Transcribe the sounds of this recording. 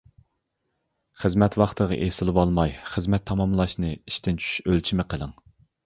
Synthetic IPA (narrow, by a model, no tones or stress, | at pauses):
χəzmɛt̪wɑχt̪ʰəʁɨ̰ʔesɨlˠɨwɑlˠmɑjχəzmɛt̪ʰːɑmɑmlˠɑʃnɨiʃt̪ɪnt͡ʃʰy̥ʃølt͡ʃʰimɪqʰəlˠɨŋ